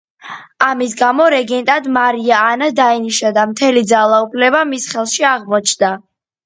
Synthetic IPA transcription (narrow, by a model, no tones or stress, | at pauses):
amis̬ɡamɔɾɛɡɛnt̪ʼad̪maɾiaːnad̪ainiʃad̪amt̪ʰɛlid̪zalˠaupʰlɛbamisχɛlˠʃiaʁmɔt͡ʃʰnd̪a